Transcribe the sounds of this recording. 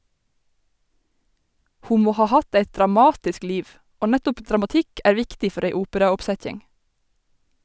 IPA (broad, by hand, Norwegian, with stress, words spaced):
ˈhuː ˈmoː ˈhɑː ˈhɑt ˈeɪt dɾɑˈmɑːtɪsk ˈliːʋ ˈoː ˈnætʊp dɾɑmɑˈtɪk ˈʔæːɹ ˈʋɪktɪ ˈfœɾ ˈeɪ ˈuːpəɾɑʊpˌsɛc͡çɪŋ